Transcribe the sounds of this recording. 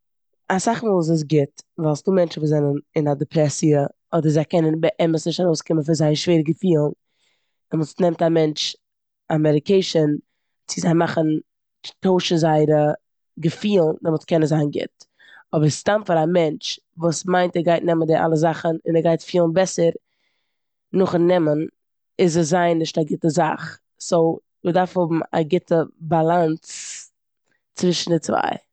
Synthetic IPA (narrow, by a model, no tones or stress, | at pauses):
asaχmuːlˠs̬ɪs̬ɡɪtvalˠsduːmɛnt͡ʃn̩vuːzɛnənɪnadɪpʰɾɛsiə | ɔdəɾzaɪkɛnənbəʔɛməsnɪʃtaɾoʊskɪmənfɪnzaɪəʃveːɾəɡəfiːlˠn | ɪnvuːsnɛmtamɛnt͡ʃ | amɛɾɪkeɪʃən | t͡sɪzaɪmaχən̩ | toʊʃəzaɪɾə | ɡəfiːlˠndɔmoːtkɛnəzaɪnɡɪ̰t | ɔbəɾstamfaɾamɛnt͡ʃ | vuːsmaɪntɛɡaɪtnɛməndɪʔa̰lˠəzaχənɪnɛɡaɪtfiːlˠnbɛsəɾ | nʊχnɛmən | ɪzəzaɪnːɪʃtaɡɪtəza̰χ | soʊ | mɪdaɾfhʊbm̩a̰ɡɪtəbalˠant͡s | t͡svɪʃn̩dɪt͡sva̰ɪ